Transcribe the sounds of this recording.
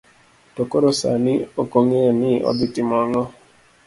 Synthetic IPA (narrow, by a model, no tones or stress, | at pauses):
tokoɾosa̰niokoŋenɪʔɔ̰d̪itimɔŋɔ